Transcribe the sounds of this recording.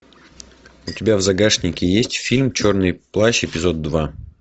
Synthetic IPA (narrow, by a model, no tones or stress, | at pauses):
ʊtʲɪbʲavzɐɡaʂnʲɪkʲɪjesʲtʲfʲilʲmt͡ɕo̞rnɨjplˠaɕɪpʲɪzo̞d̪̚dːva